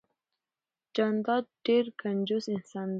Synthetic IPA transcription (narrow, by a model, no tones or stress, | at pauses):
d͡ʒɑnd̪ɑd̪̚ɖ̥eɾkʰand͡ʒusɪnsɑn